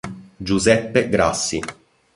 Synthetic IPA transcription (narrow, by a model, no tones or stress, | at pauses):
d͡ʒuzɛpːeɡɾa̰sːi